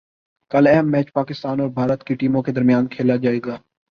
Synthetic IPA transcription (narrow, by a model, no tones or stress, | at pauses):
kəlɛɦmːɛːt͡ʃpaːkɪst̪aːnɔːɾbʱaːɾət̪kiʈiːmõked̪ɐɾmɪjaːnkʰeːlad͡ʒaːeːɡaː